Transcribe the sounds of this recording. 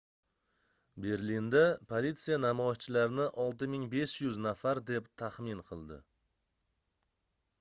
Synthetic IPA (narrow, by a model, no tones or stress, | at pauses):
be̞ɾlind̪apʰolit̪sijanamɒjʃt͡ʃʰɪlaɾɪnɪʔɒlˠt̪ɪmɪŋbe̞ʃjʊznafaɾd̪e̞pt̪ʰaχmɪnqʰɨlˠd̪ɪ̰